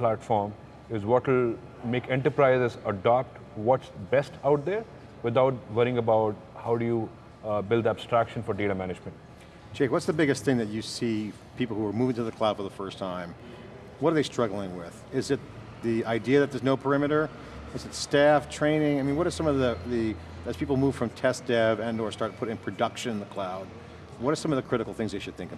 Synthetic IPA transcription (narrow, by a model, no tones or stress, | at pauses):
plæʈfɔːɾm | ɪzʋɔʈɪl | meːkɛ̃ɳʈəɾpɾaɪzɪzəɖɑp̚ʈ | ʋɔʈsbɛsʈʰaʊʈ̚d̪eɾ | ʋɪd̪aʊʈ̚ʋʌɾɪ̃ŋəbaʊʈ̚ | haʊɖuju | bɪld̪əb̥sʈɾækʃə̃nfɔɾɖeːʈamænɪd͡ʒmə̃ɳʈ̚ | d͡ʒ̥eɪkwʌtsðəbɪɡɨst̪θɪ̃ŋðɨt͡ʃɨsi | pʰipl̩ˠhuə˞muvɪ̃ŋtɨðɨkʰl̥aʊd̥fə˞ðəfɜ˞stʰãɪ̃m | wʌɾə˞ðeɪstɹ̥ʌɡl̩ˠɪ̃ŋwɪð̥ɪzɨt̪̚ | ðiaɪdiɨðɨt̪̚ðə˞znoʊpʰə˞ɪ̃mɨɾə˞ | ɨzɨtstæftʰɹ̥ẽɪ̃nɪ̃ŋaɪmĩnwʌɾə˞sʌ̃mʌvðɨði | ɨz̥pʰipl̩ˠmuv̥fɹʌ̃mtʰɛsd̥ɛvɨ̃nə˞stɑɹt̚pʰʊɾɪ̃npʰɹ̥ɨdʌkʃɨ̃ñnðəkʰl̥aʊd̚ | wʌɾə˞sʌ̃mʌvðɨkʰɹ̥ɪɾɨkl̩ˠθɪ̃ŋzðeɪʃɨd̪̚θɪ̃ŋkəb